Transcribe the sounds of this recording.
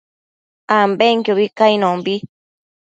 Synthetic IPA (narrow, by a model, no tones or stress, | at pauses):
ambeŋkjoβikainõmbi